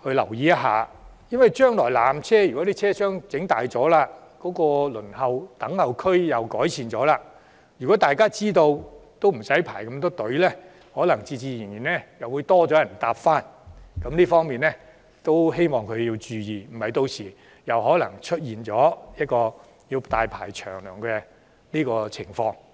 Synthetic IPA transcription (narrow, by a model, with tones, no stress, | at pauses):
hɵ˧lɐ̰˨˩wjiː˧jɐ˥ɦa̰ː˨˧jɐ˥nwɐ˨˩jt͡ʃœː˥ŋlɔː˨˩jlaː˨mt͡sʰɛː˥jy˨kɔ˨˥t̪iː˥t͡sʰɛː˥sœː˥ŋt͡sɪ˨˥ŋt̪aː˨jt͡sɔː˨˥laː˧ | kɔː˨˥kɔː˧lɵ˨˩nhɐ˨˧wt̪ɐ˨˥ŋhɐ˨˧wkʰɵ˥ɥjɐ˨wkɔː˨˥jsʰiː˨nt͡sɔː˨˥laː˧ | jy˨˩kɔː˨˥t̪aː˨jkaː˥t͡siː˥t̪o˧wt̪o˥wm̩˨˩sɐ˨˥jpʰaː˨˩jkɐ˧mt̪ɔː˥t̪ɵ˨˥ɥlɛː˥ | hɔː˨˥lɐ˨˩ŋt͡siː˧t͡siː˧ji˨˩njiː˨˩nɛ˥jɐ˨wːuː˨˧jt̪ɔː˥t͡sɔː˨˥jɐ˨˩nt̪aː˧pfaː˥nkɐ˨˥mliː˥fɔː˥ŋmiː˨nlɛ˥ | t̪o˥wɦe˥jmɔː˨˩ŋkʰɵ˨˧ɥjiː˧wt͡ʃyː˧jiː˨˩m̩˨˩hɐ˨jt̪o˧wsiː˨˩ | jɐ˨wɦɔː˨˥lɐ˨˩ŋt͡ʃʰɵ˥t̚jiː˨nt͡ʃɔː˨˥jɐ˥t̚kɔː˧ | jiː˧wt̪aː˨jpʰa̰ː˨˩jt͡ʃʰœ̰ː˨˩ŋlœː˨˩ŋkɛ˧ | liː˥kɔː˧t͡sʰɪ˨˩ŋfɔː˧ŋ